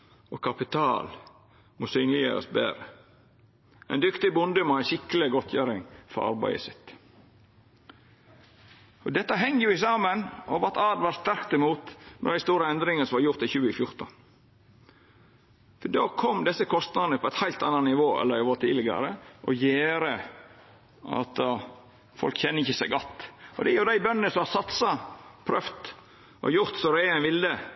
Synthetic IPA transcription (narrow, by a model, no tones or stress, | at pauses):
ɔkʰɑpɪt̪ʰɑ̰ːl | moːsyːnlɪjə̰ɾə̰sbḛːɾə | ʔɛ̰nd̪ʏkt̪ɪbʊnd̪əmoæɪʃɪkəlɪɡɔt̪ʰjæːɾɪŋfɔ̰ɾʔɑ̰ɾbæ̰ɪə̰sɪt̪ | ɔd̪ɛt̪ːəɦɛŋːəjʊɪsɑːmənɔʋɑt̪ʰɑːd̪ʋɑːst̪æɾkt̪ɛmuːt̪nʔɔɾæɪst̪uːɾəɛnd̪ɾɪŋəsɔmʋɑɾjʊɾt̪ɪçʉːəɪfjʊɾt̪ən | fɔɖoːkʰɔmd̪ɛsːəkʰɔst̪nɑd̪nəpʰɔɛɪt̪hæɪlt̪ɑnːɑnnɪʋoːɛ̰lːəɾɪʋoːt̪ʰiːd̪lɪɡɑ̰ɾəʔɔjeːɾə | ʔɑ̰t̪ | fɔ̰lkçɛnːəɪçːəsæɪɡɔt̪ːɔ̰d̪ɛjʉɾd̪æɪbœnənəsɔmhɑsɑt̪sɑpʰɾœft̪ | ʔɔ̰jʊɾt̪sɔɾæɪɛnʋɪld̪ə